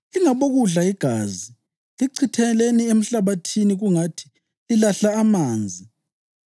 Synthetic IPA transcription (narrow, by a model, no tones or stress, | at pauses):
iŋaβoɣuɮaiɡ̥ʱaːzi | liǀʰitʰɛɛleniem̩ɬaβatʰiniɣuŋatʰi̥ | lilaɬaːmaːnd͡zʱi